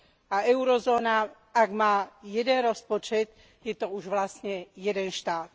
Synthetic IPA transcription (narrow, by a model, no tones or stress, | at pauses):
ʔaʔɛwɾozoːna | ʔaɡmaːjɛdɛnɾospot͡ʃɛt̪ | jɛt̪o̞uʒvlast̪ɲɛjɛdɛnʃt̪aːt̪̚